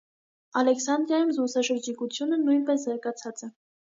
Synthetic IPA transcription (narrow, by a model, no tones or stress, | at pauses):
ɑlɛksɑnd̪ɾjɑjumzɡusɑʃəɾd͡ʒikut͡sʰjunənujnpɛszɑɾɡɑt͡sʰɑt͡sɛ